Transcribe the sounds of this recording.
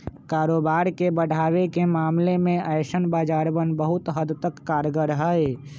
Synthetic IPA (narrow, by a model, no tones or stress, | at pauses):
kaːɾoːbaːɾkebəɽ̤ʱaːwekemaːmlemẽʔəɪʃənbaːd͡ʒaːɾbənbəɦʊt̪ɦəd̪t̪əkːaːɾɡəɾɦəe